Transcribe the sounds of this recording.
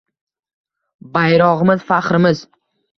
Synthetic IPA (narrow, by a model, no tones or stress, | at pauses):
bajɾɒʁɨmɪzfaqɾɪmɪz